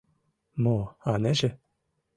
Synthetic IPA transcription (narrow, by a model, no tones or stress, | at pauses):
moɑnæʒɘ̆